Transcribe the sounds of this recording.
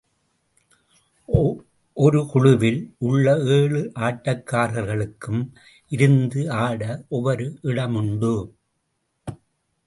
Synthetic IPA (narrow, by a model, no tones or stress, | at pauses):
ʔɔɾɯkʊɻʊʋɪlʊɭːɐeːɭɯʔaːʈːɐkːaːɾɐɾɣɐɭɯkːɯm | ʔɪɾɯnd̪ɯaːɽɐʔɔʋɐɾɯʔɪɽɐmʊɳbɯ